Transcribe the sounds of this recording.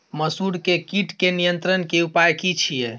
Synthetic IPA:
məsuɽkekiʈkenijənt̪ɾənkeupajkit͡ʃʰije

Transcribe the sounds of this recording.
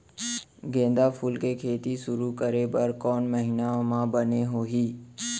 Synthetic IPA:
ɡẽːnd̪apʰuːlkekʰeːt̪iʃʊɾukəɾebəɾkɔːnməɦinaomãbəneɦoːɦiː

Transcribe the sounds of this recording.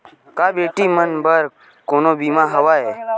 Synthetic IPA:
kaːbeːʈiːmənbəɾ | koːnoːbiːmaːɦəʋaːeː

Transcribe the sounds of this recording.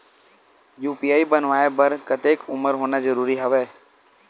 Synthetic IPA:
juːpiaːibənʋaːebəɾkət̪eːkʊməɾɦoːnazəɾuːɾiɦəʋeː

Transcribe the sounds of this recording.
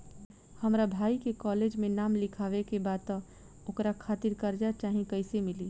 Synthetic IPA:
həmɾabʱaikekɔled͡ʒmẽnamlɪkʰaʋekebat̪ɔ̃ | okɾakʰaːt̪iɾkəɾd͡ʒat͡ʃaːɦĩkəɪsemili

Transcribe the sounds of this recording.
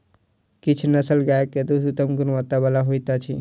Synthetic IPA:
kit͡ʃʰunəsəlɡaekːed̪usut̪əmɡunʋat̪abalaɦojt̪at͡ʃʰḭ

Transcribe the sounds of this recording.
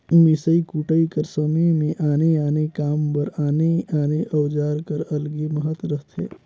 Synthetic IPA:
misəikuʈəikəɾsəmemẽʔaːneaːnekaːmpəɾaːneaːneʔəwd͡ʒaːɾkəɾəlɡeməɦət̪ɾəɦt̪ɦḛː

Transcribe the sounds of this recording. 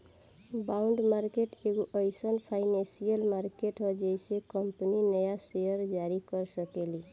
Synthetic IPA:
baʊɳɖmaɾkeʈeɡoʔəɪsənpʰaɪnẽsijəlmaɾkeʈɦɔd͡ʒəɪsekəmpəninəjasejəɾd͡ʒaɾikəɾsəkeli

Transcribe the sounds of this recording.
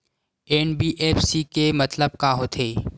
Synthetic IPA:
eːnbiːʔeːfʰsikemət̪ləb̚kaːɦoːt̪ʰeː

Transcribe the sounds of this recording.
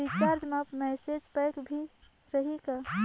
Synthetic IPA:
it͡ʃaːɾd͡ʒmapmɛːsed͡ʒpɛkbʱi | ɾəɦika

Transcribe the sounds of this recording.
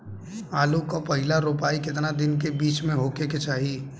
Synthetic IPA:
aːlukapɐɦɪlaɾoːpaːikɪt̪nad̪ɪnkebiːt͡ʃmẽɦoːkeket͡ʃaːɦi

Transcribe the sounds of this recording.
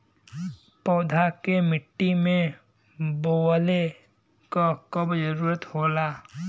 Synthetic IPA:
pɔːd̪ʱakemɪʈːimẽ | boːle | kokəbd͡ʒəɾuːɾət̪hoːlaː

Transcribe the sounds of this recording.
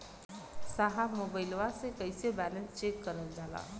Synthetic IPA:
saɦamobəjlʋasekəjsebælənst͡ɕekːəɾəld͡zala̰

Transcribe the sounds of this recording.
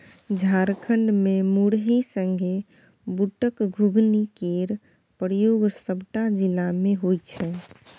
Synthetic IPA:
d͡ʒʱaɾkʰəɳɖmemuɽɦisəŋɡʱe | buʈəkɡʱuɡnikeɾ | pɾjoɡsəbʈad͡ʒilameɦojt͡ʃʰɛ

